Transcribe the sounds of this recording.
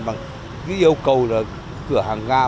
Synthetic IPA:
ɓaː˨˩ŋ | zɨ˨˦ʔi˧əwkə˨˩wlaː˨˩ | kɨ˧˩əhaː˨˩ŋɣaː˧

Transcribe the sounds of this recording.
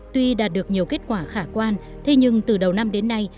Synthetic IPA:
t̪wi˧ɗaː˨˩t̚ɗɨ˨˩ək̚ɲi˨˩əwke˦˥t̚kwaː˧˩xaː˧˩kwaː˧n | t̪ʰe˧ɲɨ˧ŋt̪ɨ˨˩ɗə˨˩wna˧mɗe˨˦nːa˧j

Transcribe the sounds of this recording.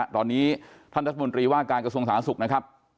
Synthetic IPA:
t̪ɔː˧nːiː˦˥t̪ʰa˥˩nɾa˦˥a˧mo˧nt̪ɾiː˧waː˥˩kaː˧nkɾa˧su˧əŋsaː˩˦nsu˨˩k̚na˦˥kʰɾa˦˥p̚

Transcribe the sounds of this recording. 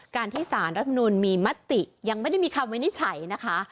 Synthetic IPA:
kaː˧nt̪ʰiː˥˩saː˩˦nɾa˦t̪̚ːʰma˧nuː˧nmiː˧ma˦˥t̪ːi˨˩ja˧ŋm˥˩jda˥˩jmiː˧kʰa˧mwi˦˥ni˦˥t̪̚t͡ɕʰa˩˦jna˦˥kʰa˦˥

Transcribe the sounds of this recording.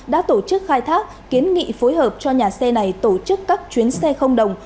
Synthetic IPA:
ɗa̰ː˧˥t̪o˧˩t͡ɕɨ˦˥k̚xaː˧jt̪ʰaː˦˥k̚ki˨˦ənŋḭ˧˨fo˨˦jɦəː˨˩p̚t͡ɕɔ˧ɲaː˨˩sɛ˧na˨˩jt̪o˧˩t͡ɕɨ˦˥kːaː˦˥k̚t͡ɕwi˨˦nsɛ˧xə˧wŋ͡mɗə˨˩wŋ͡m

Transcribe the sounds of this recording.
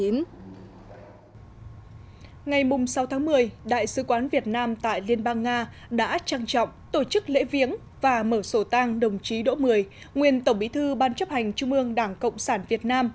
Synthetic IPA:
i˨˦ | ŋa˨˩jmʊ˨˩ŋ͡msa˨˦wt̪ʰaː˨˦ŋmɨ˨˩əjɗa̰ː˧˨jsɨ˨˦kwaː˨˦nvi˨˩ət̚naː˧mt̪a̰ː˧˨jli˧ənɓaː˧ŋːaː˧ | ɗa̰ː˧˥t͡ɕaː˧ŋt͡ɕɔ̰˧˨wŋ͡mt̪o˧˩t͡ɕɨ˦˥k̚lḛ˧˥vi˨˦əŋ | vaː˨˩məː˧˩so˧˩t̪aː˧ŋɗə˨˩wŋ͡mt͡ɕi˨˦ɗo̰˧˥mɨ˨˩əj | ŋwi˨˩ənt̪ə˧˩wŋ͡mɓḭ˧˥t̪ʰɨ˧ɓaː˧nt͡ɕə˦˥p̚ha˨˩jŋ̟t͡ɕu˧ŋ͡mʔɨ˧əŋɗaː˧˩ŋkə̰˧˨wŋ͡msaː˧˩nvi˨˩ət̚naː˧m

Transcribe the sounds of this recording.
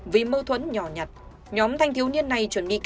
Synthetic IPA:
vi˨˦məː˧t̪ʰwə̰˧˥nɲɔ˧˩ɲa˨˩t̚ | ɲɔ˨˦mt̪ʰa˧jŋ̟t̪ʰi˨˦əwni˧ənːa˨˩jt͡ɕwə˧˩nɓḭ˧˨k

